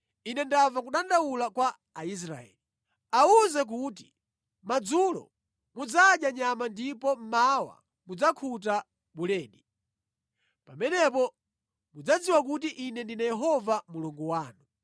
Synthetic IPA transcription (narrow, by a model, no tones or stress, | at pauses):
inɛndavakuɗandawulakwaː | is̬ɾa̰ɛ̰li | auzɛk̬uti̥ | mad͡zulɔ̰ | mud͡zaɗjaɲamandipɔm̩mawa̰ | mud͡zakʰut̬a | ɓulɛːɗi | pamɛnɛpɔ | mud͡zad͡ziwakut̬iʔinɛndinajɛɦɔvamuluŋɡuwaːnu